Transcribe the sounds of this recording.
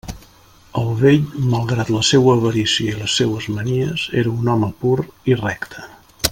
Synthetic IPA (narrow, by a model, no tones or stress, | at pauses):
əlˠβeʎməlˠɣɾat̪ləsewəːβəɾisiəiləsːewəzməniəzeɾəunɔməpuɾirɛkt̪ʰə̥